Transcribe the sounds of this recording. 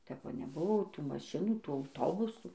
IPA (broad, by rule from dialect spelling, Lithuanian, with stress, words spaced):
tʲɛp ˈʋɐ nʲɛˈbʊʋoː ˈtuː mɐˈʃʲɪnuː ˈtuː ɐʊˈtoːbʊsuː